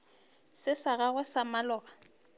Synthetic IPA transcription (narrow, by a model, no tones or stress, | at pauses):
sɪsaɣaɣʊsamalɔːba